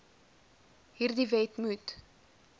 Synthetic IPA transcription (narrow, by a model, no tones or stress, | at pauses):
ɦiːrdivɛtmut